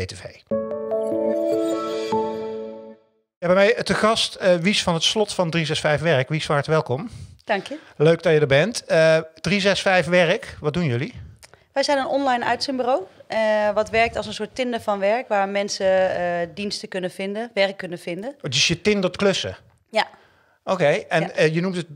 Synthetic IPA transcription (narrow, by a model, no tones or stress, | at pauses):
etevej | jabɛjmɛjtəɣɑstəʋisfɑnɦətslɔtfɑndrizɛsfɛjfʋɛɹəkʋisfaːɹtəʋɛlˠkɔmd̥ɑŋkjəløɥɡ̚dɑjədəɹbɛntəd̥rizɛsfɛjfʋɛɹəkʋɑd̚dunjɵli | ʋɛjzɛjnənɔnlɑjnœ̰ɥtsənmbyrowʋɑtʋɛɹk̚tɑlˠs̬ənsoːtɪndəɹvɑnʋɛɹkʋaːɹmɛnsədinstəkɵnəv̥ɪndəʋɛrkːɵnəvɪndənətɪsjətɪndəɹtklɵsə̰ | ja | owkejɛnnjənumtət̚